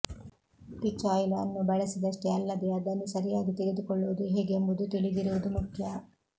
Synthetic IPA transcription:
ʈ̪it͡ʃːaːjlːnːubɐɭɐsid̪ɐʂʈeɐlːɐd̪ɛɐd̪ɐnːisɐɾijaːɡit̪iɡed̪ukɔɭːuʋud̪uɦeːɡembud̪ut̪iɭid̪iɾuʋud̪umukʰjɐ

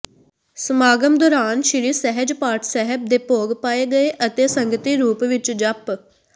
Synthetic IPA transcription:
səmaːɡəmd̪oːɾaːnʃɪɽiːsɛɦəd͡ʒpaːɾʈʰsɛɦəb̚d̪eːpoːɡpaːeːɡəeːʔət̪eːsəŋɡət̪iːɾuːpʋɪt͡ʃd͡ʒəp

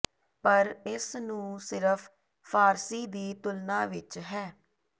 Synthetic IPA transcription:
pəɾɪsnũːsɪɾəpʰ | pʰaːɾsiːd̪iːt̪ʊlnãːʋɪt͡ʃɦɛː

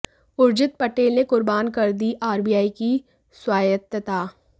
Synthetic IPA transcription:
ʊɾd͡ʒɪt̪̚pɐʈeːlnekʊɾbaːnkɐɾd̪iʔaːɾbiːjaːiki | swaːjət̪ət̪aː

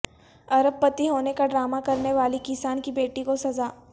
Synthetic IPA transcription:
ɐɾəb̚pɐt̪iɦoːnekaɖɾaːmakɐɾneʋaːlikɪsaːnkibeːʈikosɐzaː

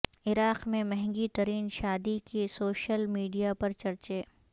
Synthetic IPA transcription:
ɪɾaːqmẽmɛɦɛ̃ŋɡit̪ɐɾiːnʃaːd̪ikesoːʃəlmiːɖijapɐɾt͡ʃɐɾt͡ʃeː

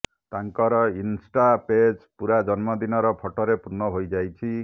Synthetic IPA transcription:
t̪aŋkɔɾɔinsʈaped͡ʒpuɾad͡ʒɔnmɔd̪inɔɾɔpʰɔʈɔɾepuɾnɔɦojd͡ʒajt͡ʃʰi

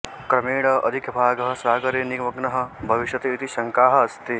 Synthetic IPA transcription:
kɾɐmeːɽɐʔɐd̪ʱikjɐbʱaːɡɐɦɐ̆saːɡɐɾeːniɡmɐɡnɐɦɐ̆bʱɐʋiʃjɐt̪eit̪iʃɐŋkaːɦɐ̆ɐst̪i

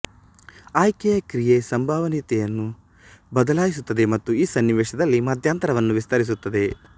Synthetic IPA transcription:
aːjkɛjɐkɾijesɐmbʱaːʋɐniːt̪ɛjɐnːu | bɐd̪ɐlaːjis̬ut̪ːɐd̪e̞mɐt̪ːuiːsɐnːiʋeːʂɐd̪ɐlːimɐd̪ʱjaːnt̪ɐɾɐʋɐnːuʋist̪ɐɾis̬ut̪ːɐd̪e̞

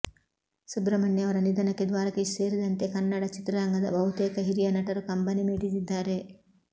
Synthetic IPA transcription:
subɾɐmɐɳjɐɐʋɐɾɐnid̪ɐnɐkːed̪ʋaːɾɐkeseːɾid̪ɐnt̪e̞kɐnːɐɽɐt͡ʃit̪ɾɐɾɐŋɡɐd̪ɐ̰bʱɐɦut̪eːkɐɦiɾijɐnɐʈɐɾukɐmbɐnimiːʈisid̪ːaːɾe

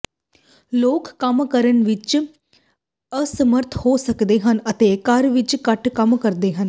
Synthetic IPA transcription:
loːkːəmkəɾənʋɪt͡ʃ | əsəməɾt̪ʰhoːsəkd̪eːɦənət̪eːkəɾʋɪt͡ʃkəʈkəmkəɾd̪eːɦən

